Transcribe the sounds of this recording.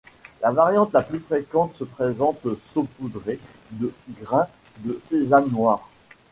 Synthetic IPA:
lavaʁjɑ̃t̪laplyfχekɑ̃t̪səpχezɑ̃t̪sopud̪ʁe | d̪əɡʁɛ̃ | d̪əsezanːwaːʁ

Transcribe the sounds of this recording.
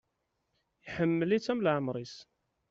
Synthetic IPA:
jħəmːəlit͡sːæmlʕəmɾˤis

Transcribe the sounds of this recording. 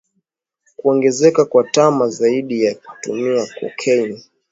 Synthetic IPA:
kuɔŋɡɛzɛkakwatamazaiɗijaku̥tumiakɔ̰kʰɛini

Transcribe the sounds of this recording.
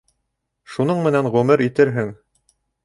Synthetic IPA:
ʃunɤɴmɘ̆nænʁʉmɘɾit̪ɘɾɦɘŋ

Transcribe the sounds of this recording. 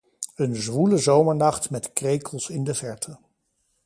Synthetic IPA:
ənzʋuləzowməɹnɑχtmɛtkrejkʰəlˠsɪndəvɛɹtʰə

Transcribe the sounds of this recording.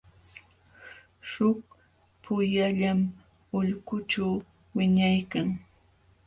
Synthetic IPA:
ʃʊk̚ | pʰʊjaʎam | ʊʎkʊʈ͡ʂaw | wɪɲajkaŋ

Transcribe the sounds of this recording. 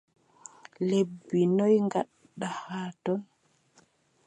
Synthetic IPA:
lebːinɔjŋɡaɗːahaːtɔn

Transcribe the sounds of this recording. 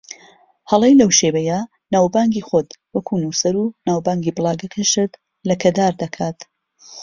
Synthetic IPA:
hɐlˠejlɐwʃewɐja | naːwbaːŋɡiːxot̪wɐkʰunuːsɐɾunaːwbaːŋɡiːblˠaːɡɐkʰɐʃɨɾd̪ | lɐkʰɐd̪aːɾd̪ɐkʰaːt̪

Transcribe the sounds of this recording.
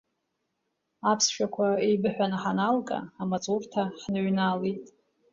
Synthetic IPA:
apʰsʃᶣakʷʰaejbɨħᶣʷanaħanalkʼa̰ːmat͡sʼurtʰaħnɨʕʷnalitʼ

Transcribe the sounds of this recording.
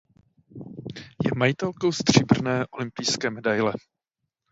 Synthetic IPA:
jɛ̰majɪt̪ɛlko̞wst̪r̝̥ɪbr̩nɛːʔo̞lɪmpɪjskɛːmɛdajlɛ

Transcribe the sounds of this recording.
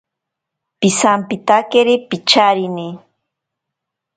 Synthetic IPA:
pisampit̪akeɾipit͡ʃaɾini

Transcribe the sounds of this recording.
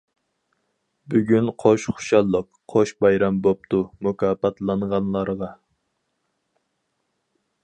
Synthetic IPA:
byɡʲynqʰoʃχʊ̥ʃɑlˠːəqʰːoʃbɑjɾɑmbop̚t̪ʰumukɑːpɑt̪lˠɑɴʁɑnlˠɑɾʁɑ

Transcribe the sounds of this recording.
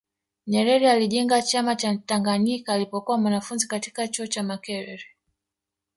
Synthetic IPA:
ɲɛɾɛɾialiʄɛŋɡat͡ʃamat͡ʃataŋɡaɲikaːlipɔkuwamwanafunzikati̥kat͡ʃuɔt͡ʃamakɛɾɛɾɛ

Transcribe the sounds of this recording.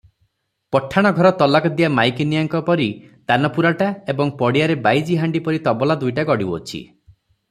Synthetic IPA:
pɔʈʰːaɽ̃ɔɡʱɔɾɔt̪ɔlakɔd̪iamajkinijaŋkɔpɔɾi | t̪anɔpuɾaʈaebɔŋpɔɽijaɾebajd͡ʒiɦaɳɖipɔɾit̪ɔbɔlad̪ujʈaɡɔɽibɔt͡ʃʰḭ

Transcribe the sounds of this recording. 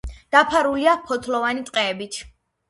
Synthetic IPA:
d̪̥apʰaɾuliapʰɔt̪ʰlɔvanit̪ʼqʼɛːbit̪ʰ

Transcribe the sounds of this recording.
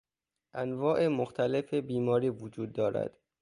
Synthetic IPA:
ʔænvɒːʔemoxt̪ʰæle̞febiːmɒːɾiːvod͡ʒuːd̪ːɒːɾæ̰d̪̥

